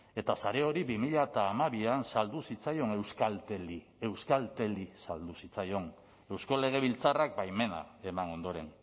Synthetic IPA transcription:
e̞t̪asaɾe̞o̞ɾiβimiʎat̪aːmaβiansald̪usit͡sajo̞ne̞wskalt̪eli | e̞wskalt̪e̞lisald̪usit͡sajo̞n | e̞wsko̞le̞ɣ̞e̞β̞ilt͡sarak̚bajme̞na̰e̞mano̞nd̪o̞ɾe̞n

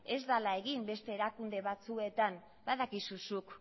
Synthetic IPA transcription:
e̞zd̪alaeɣimbe̞st̪e̞ːɾakund̪e̞βat͡sue̞t̪am | baðakisusuk

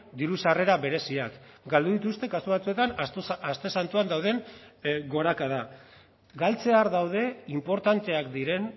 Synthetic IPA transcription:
d̪iɾusare̞ɾaβe̞ɾe̞siakɡald̪uðit̪ust̪e̞kasuβat͡sue̞t̪anast̪e̞sant̪uand̪awð̞e̞ŋɡo̞ɾakað̞a | ɡalt͡se̞aɾðawð̞e̞impo̞ɾt̪ant̪e̞akd̪iɾe̞n

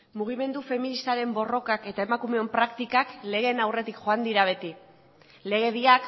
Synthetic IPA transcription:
muɣ̞ime̞nd̪ufe̞minist̪aɾe̞mbo̞ro̞kake̞t̪ae̞makume̞ompɾakt̪ikakle̞ɣ̞e̞nawre̞t̪ikxo̞and̪iɾaβ̞e̞t̪i | le̞ɣ̞e̞βiak

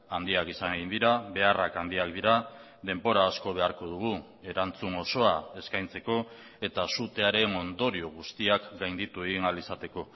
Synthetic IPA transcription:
and̪iakisane̞ɣind̪iɾaβe̞arakand̪iakd̪iɾa | ðe̞mbo̞ɾaːsko̞βe̞aɾko̞ð̞uɣ̞u | e̞ɾant͡suno̞so̞ae̞skajnt͡se̞ko̞ | e̞t̪asut̪e̞aɾe̞no̞nd̪o̞ɾio̞ɣ̞ust̪iakɡajnd̪it̪ue̞ɣinalisat̪e̞ko̞

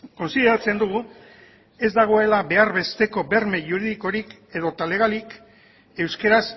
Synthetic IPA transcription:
ko̞nsiðe̞ɾat͡se̞nd̪uɣ̞u | e̞zd̪aɣ̞o̞e̞laβe̞aɾβe̞st̪e̞ko̞be̞ɾme̞ʝuɾiðiko̞ɾik | e̞ð̞o̞t̪aleɣ̞alik | e̞wske̞ɾas

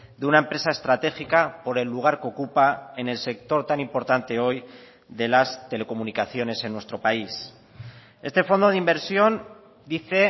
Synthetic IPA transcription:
d̪eunaempɾe̞sae̞st̪ɾat̪e̞xikapo̞ɾe̞lːuɣ̞aɾkeokupae̞ne̞lse̞k̚t̪o̞ɾt̪anĩmpo̞ɾt̪ant̪e̞o̞j | ðe̞last̪e̞le̞ko̞munikaθjo̞ne̞se̞nːwe̞st̪ɾo̞pais | e̞st̪e̞fo̞nd̪o̞ð̞imbe̞ɾsjo̞n | d̪iθe̞

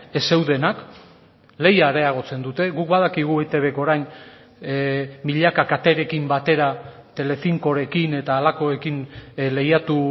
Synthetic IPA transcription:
e̞se̞wðe̞nak | le̞jaɾe̞aɣ̞o̞t͡se̞nd̪ut̪e̞ɣuk̚baðakiɣ̞ue̞t̪e̞βe̞ko̞ɾajn | miʎakakat̪e̞ɾe̞kimbat̪e̞ɾa | t̪e̞le̞fiŋko̞ɾe̞kine̞t̪aːlako̞e̞kinle̞jat̪u

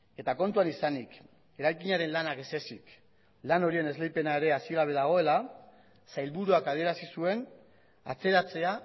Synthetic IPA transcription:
e̞t̪ako̞nt̪uanisanik | e̞ɾajkiɲaɾe̞nlanake̞se̞sik | lano̞ɾie̞ne̞zle̞jpe̞nae̞ɾe̞asiɣaβ̞e̞ðaɣ̞o̞e̞la | sajlβuɾuakað̞ie̞ɾasisue̞n | a̰t͡se̞ɾat͡se̞a

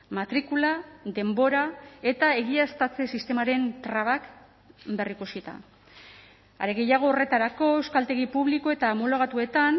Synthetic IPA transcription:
mat̪ɾikulaðe̞mbo̞ɾae̞t̪ae̞ɣiast̪at͡se̞sist̪e̞maɾe̞nt̪ɾaβ̞ak | be̞rikusit̪a̰ | a̰ɾeɣe̞jaɣ̞o̞ːre̞t̪aɾako̞e̞wskalt̪e̞ɣipuβliko̞e̞t̪aːmolo̞ɣ̞at̪ue̞t̪an

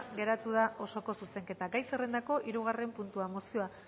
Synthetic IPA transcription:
ɣe̞ɾat̪uð̞aʔo̞so̞ko̞suse̞ŋke̞t̪aɡajse̞re̞nd̪ako̞ʔiɾuɣ̞are̞mpunt̪uamosio̞a

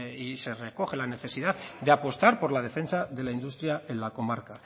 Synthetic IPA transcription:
ise̞re̞ko̞χe̞lane̞θe̞siðaðd̪eapo̞st̪aɾpo̞ɾlað̞e̞fe̞nsaðe̞laind̪ust̪ɾjae̞nlako̞maɾka

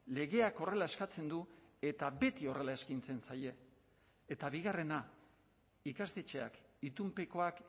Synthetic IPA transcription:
le̞ɣe̞ako̞re̞lae̞skat͡se̞nd̪ue̞t̪abe̞t̪io̞re̞lae̞skint͡se̞nsaje̞ː | t̪aβiɣ̞are̞na | ikast̪e̞t͡ʃe̞a̰kit̪umpeko̞ak

